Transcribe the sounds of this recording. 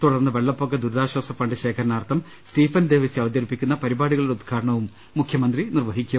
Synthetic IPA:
t̪uɽɐrnːɨʋe̞ɭːɐpːokːed̪uɾd̪aːɕwɐːsɐfɐɳɖɨɕe̞ːkʰɐɾɐnaːrt̪ʰːɐm | sʈiːfɐnd̪e̞ːʋɐsiɐʋɐd̪jɐɾipːikʲːunːɐpɐɾibaːɽuɣɐɭiɽeud̪̚ɡʰaːɽɐɳɐʋumː | ukʰjɐmɐnd̪rinirʋɐɦikʲːɐ

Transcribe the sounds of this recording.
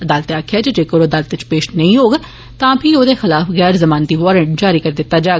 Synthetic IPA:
əd̪aːlt̪eaːkʰjaːd͡ʒed͡ʒeːkəɾoːəd̪aːlət̪et͡ʃpeːʃnəĩːɦoːɡ | t̪ãːpʰĩːoːd̪eːxɪlaːfɣɛːɾzəmaːnt̪iːʋɔːɾə̃ɳʈd͡ʒaːɾiːkəɾd̪ɪt̪ːaːd͡ʒaː

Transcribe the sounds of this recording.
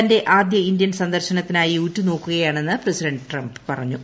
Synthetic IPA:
ɐnde̞ʔaːd̪jɐindjɐnsɐnd̪ɐrɕɐnɐt̪ːinaːjiutːuno̞ːkːuɣɐjaːɳe̞nːɨpresidɐɳɖɨʈrɐmbpɐrɐɲːu

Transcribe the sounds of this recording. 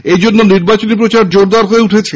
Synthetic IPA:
ed͡ʑonːoniɾbat͡ɕonip̬ɾot͡ɕaɾd͡ʑoɾd̪aɾɦoeuʈʰet͡ɕʰe

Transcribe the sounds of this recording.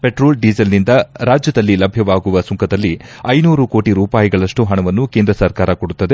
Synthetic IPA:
peʈɾoːlɖid͡ʒɐlnind̪ɐɾaːd͡ʒjɐd̪ɐlːilɐbʱjɐʋaːɡuʋɐsuŋkʰɐd̪ɐlːiɐjnuːɾuko̞ːʈiɾuːpaːjiɡɐɭɐʂʈuɦɐɳɐʋɐnːukend̪ɾɐsɐɾkaːɾɐkoɽut̪ːɐd̪e

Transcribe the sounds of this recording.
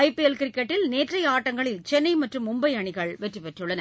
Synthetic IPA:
ɐɪpːijɛlkɪɾɪkːɛʈːɪlneːʈrɐɪaːʈːɐŋɡɐɭɪlt͡ʃɛnːɐɪmɐʈrɯmʊmbɐɪɐɳɪɣɐɭʋɛʈrɯpɛʈrɯɭːɐnɐ

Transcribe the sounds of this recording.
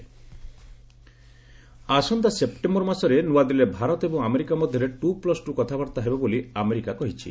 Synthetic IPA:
asɔnd̪asepʈembɔɾmasɔɾenuad̪ilebʱaɾɔt̪ebɔ̃ŋameɾikamɔd̪ʱjɔɾeʈuplɔsʈukɔt̪ʰabaɾt̪aɦebeboliameɾikakɔɦit͡ʃʰḭ

